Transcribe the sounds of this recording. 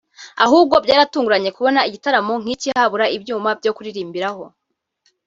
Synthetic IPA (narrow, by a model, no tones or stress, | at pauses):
a̰ɦuːb̚ɡo̞bɟaːɾatuːŋɡuɾaɲe̞kuβo̞naiɟitaɾamo̞ŋ̥icihaβuɾaibjuːmabɟo̞kuɾiɾiːmbiɾaho̞